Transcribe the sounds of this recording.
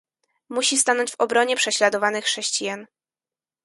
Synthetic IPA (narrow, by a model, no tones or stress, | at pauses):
muɕist̪anɔɲd͡ʑvɔbɾɔɲɛpʂɛɕlad̪ɔvanɘxʂɛɕt͡ɕijan